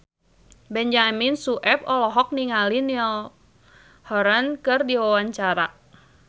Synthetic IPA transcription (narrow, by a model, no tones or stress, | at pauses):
bɛɲd͡ʒaminsuʔɛp̚ɔlɔɦɔk̚niŋaliniɔl | hɔɾankɨrdiwawaɲt͡ʃaɾa